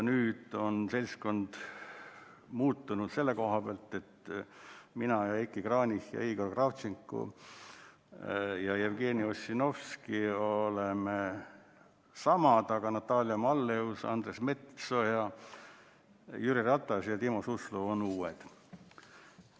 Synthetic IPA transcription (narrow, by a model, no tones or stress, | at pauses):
nyːd̪̥o̞nse̞lʲsko̞nd̪̥ | muːt̪ːunud̪̥se̞lːeko̞ɦɑb̥eɑlt̪ːˑe̞t̪ | minɑjɑekːˑikrɑːnʲihjɑ̰iːɡ̥orkrɑft̪siŋkːṵ | jɑjevɡe̞ːniosino̞fskioleme | sɑmɑt̪ɑɡ̥ɑnɑt̪ːˑɑːlijɑmɑlːe̞usɑ̰nd̪resme̞t̪sojɑ | jyɾirɑt̪ːˑɑsjɑt̪imosusluonuːed̪̥